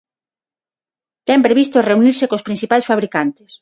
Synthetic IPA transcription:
t̪ɛmpɾeβ̞ist̪oreuniɾsekospɾinθipajsfaβ̞ɾikant̪es

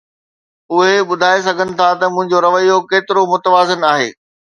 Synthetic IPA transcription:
ʊɦeɓʊd̪ʱaːes̬ɐɡʱənɪ̆t̪ʰat̪ɐmʊ̃ɦɪ̃ɲd͡ʑoɾɐʋəjokeːt̪ɪɾomʊt̪əʋaːzɪnaːɦḛː

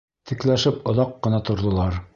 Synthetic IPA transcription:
t̪ʰɘ̆klæʃɘpŏðɑqːɤ̆nɑt̪ŏɾðŏlˠɑɾ

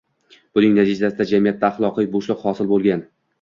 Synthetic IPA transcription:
b̥ʊnɪŋnat̪ʰɪd͡ʒ̪asɪd̪ad͡ʒamijat̪ːaːχlˠɒqɨjboʃlˠɪqhɒsɪlˠbolˠɡʲan

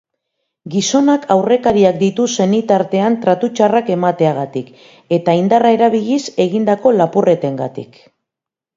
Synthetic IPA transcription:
ɡiso̞nakʰawre̞kaɾiak̚d̪it̪use̞nit̪aɾt̪e̞ant̪ɾat̪ut͡ʃarake̞mat̪e̞aɣ̞at̪ik | e̞t̪aind̪arae̞ɾaβiʎise̞ɣind̪ako̞lapure̞t̪e̞ŋɡat̪ḭk

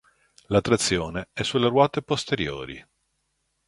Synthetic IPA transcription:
lat̪ːɾat̪sːjoːneɛsːulerwɔːt̪epost̪eɾjo̰ːɾḭ

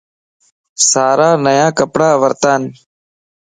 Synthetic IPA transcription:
saːɾaːnəjãːkəpɽaːʋəɾt̪aːn

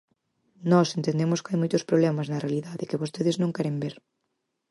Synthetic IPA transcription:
nɔsent̪end̪emʊskajmojt̪ʊspɾoβlɛmɐznɐrealiðaðɪkɪβost̪eðɪznõŋkɛɾembeɾ

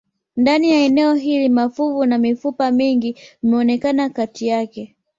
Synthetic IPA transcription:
ndanijaɛnɛɔɦilimafuvunamifupamiŋɡiimɛɔnɛkanakatʰijakɛ

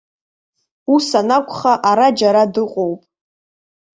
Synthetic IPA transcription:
usanakʷʰʼχaʔaɾad͡ʒaɾadɨqʷʼowpʼ

